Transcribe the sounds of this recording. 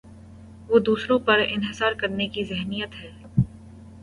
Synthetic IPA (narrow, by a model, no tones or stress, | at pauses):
ʋoːd̪uːsɾõpɐɾɪ̰nɦɪsaːɾkɐɾnekizɪɦnijət̪ɦɛː